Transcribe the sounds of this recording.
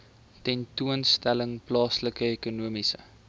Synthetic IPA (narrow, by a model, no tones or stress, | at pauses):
tɛntuənstæləŋplɑːsləkəekunuəmisə̰